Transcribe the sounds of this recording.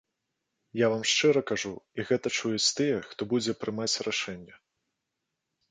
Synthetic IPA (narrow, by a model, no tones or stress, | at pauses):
javamʂt͡ʂɨɾɐkaʐuiɣɛt̪ɐt͡ʂujɛt͡sʲt̪ɨjɛxt̪ɔbud͡zʲɛpɾɨmat͡sʲraʂɛnʲːɐ